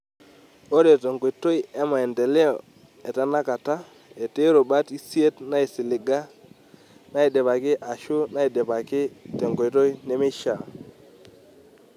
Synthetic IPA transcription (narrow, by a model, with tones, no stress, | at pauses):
o˦ɾe˨te˨ŋɡo˨i˨to˦i˦ɛ˦ma˨ɛ˨ndɛ˨le˦ɔ˨ | ɛ˨ta˦na˦ka˨ta˦ | e˨te˦ɾo˨ba˦ti˦si˦e˦tna˦i˨sɪ˨lɪ˨ɡa˦ | na˦i˨dɛ˨pa˨kɪ˦ʔa˨ʃʊ˦na˦i˨dɛ˨pa˨kɪ˦tɛ˨ŋɡo˨i˨to˦i˦ne˦me˦ʃa˨